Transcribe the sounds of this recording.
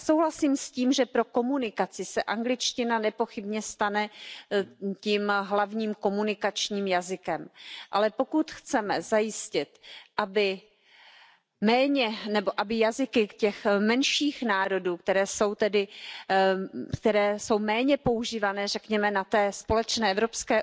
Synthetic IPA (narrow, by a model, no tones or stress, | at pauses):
so̞wɦlasiːmsciːmʒɛpɾo̞ko̞munɪkat͡sɪsɛʔaŋɡlɪt͡ʃcɪnanɛpo̞xɪbɲɛst̪anɛ | ciːmɦlavɲiːmko̞munɪkat͡ʃɲiːmjazɪkɛmʔa̰lɛpo̞kut̪xt͡sɛmɛzajɪscɪt̪ʔabɪ | mɛːɲɛnɛbo̞ʔabɪjazɪkɪcɛxmɛnʃiːxnaːɾo̞duːk̚t̪ɛɾɛːso̞wt̪ɛdɪ | kt̪ɛɾɛːso̞wmɛːɲɛpo̞uʒiːvanɛːrɛkɲɛmɛnat̪ɛːspo̞lɛt͡ʃnɛːʔɛvɾo̞pskɛː